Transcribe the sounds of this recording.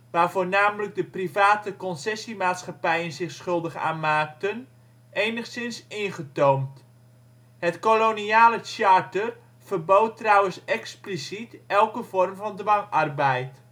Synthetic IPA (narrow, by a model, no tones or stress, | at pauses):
ʋaːrvoːnaːmələk̚dəprivaːtəkɔnsɛsimaːtsχapɛjənzɪxsχɵlˠdəχa̰ːnmaːk̚tən | eːnəxsɪnsɪnχətowmt | hətkoloniaːlət͡ʃartər | v̥ərboːtːrɔwənsɛksplisitɛlˠkəvɔrmvɔndʋɑŋarbɛjt